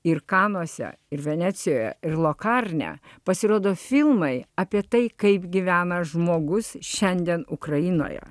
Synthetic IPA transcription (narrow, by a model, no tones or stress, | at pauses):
ɪɾkɑːnoːsʲɛ̰ | ɪɾʋʲɛnʲæːt̪sʲɪjoːjɛ̰ɪrlˠoːkɑːɾʲnʲɛ̰pɐsʲɪɾoːd̪oːfʲɪlˠmɐɪɑpʲiɛt̪ɐɪkɐɪpɡʲɪʋʲæːnɐʒmoːɡʊsʃʲɛnʲd̪ʲɛnʊkɾɐjɪno̰ːjɛ̰